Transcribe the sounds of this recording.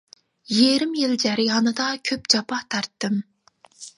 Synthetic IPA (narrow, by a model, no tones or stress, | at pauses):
jeɾɪmjɪld͡ʒæɾɪjɑnɨd̪ɑkʲʰøpd͡ʒɑpʰɑt̪ʰɑɾt̪ːɨm